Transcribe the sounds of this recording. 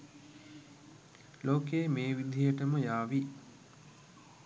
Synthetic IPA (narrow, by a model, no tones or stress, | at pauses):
loːkeːmeːʋid̪ʱijəʈəməjaːʋi